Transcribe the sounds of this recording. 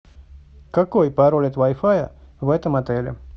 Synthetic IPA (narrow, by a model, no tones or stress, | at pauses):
kɐkojpɐɾolʲɛt̪vajfajə̰vɛt̪əmɐt̪ɛlʲɪ̰